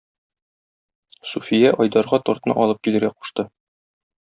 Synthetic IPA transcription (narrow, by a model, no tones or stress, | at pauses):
sufʲijæʔɒjd̪ɑɾʁɑt̪ɒɾt̪nɤ̰ʔɒlˠɤp̚kilɘ̆ɾɡæqu̥ʃt̪ɤ